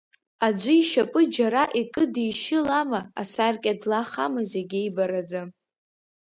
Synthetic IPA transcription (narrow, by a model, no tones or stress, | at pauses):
ad͡ʒʷiiʃapʼɨd͡ʒaɾaʔikʼɨdijʃɪlamaa̰sarkʲʼadlaχamɨzeɡʲɪjbaɾad͡za